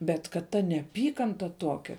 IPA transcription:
ˈbʲɛt kɐt ˈtɐ nʲɛɐˈpʲiːkɐntɐ ˈtoːkʲɛ

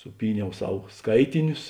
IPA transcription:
sʊˈpʲiːˌnʲɛʊ ˈsɐw ˈskɐɪtʲɪnʲʊs

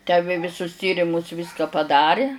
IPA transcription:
tʲæː ˈʋʲeː ʋʲɪˈsʊs ˈtʲiːrʲɪmʊs ˈʋʲiːskɑː pɐˈdɑːrʲɪ

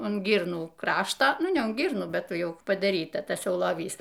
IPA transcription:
ʊn ˈɡʲiːrnuː ˈkrɑːʃtoː ˈnʊ nʲɛ ʊn ˈɡʲiːrnuː ˈbʲɛt ˈjɛʊ pɐdɐˈrʲiːtɐ ˈtɑːsʲˈjɛʊ lˠoːˈʋʲiːs

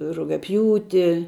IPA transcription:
rʊɡʲɛˈpʲjuːtʲɪ

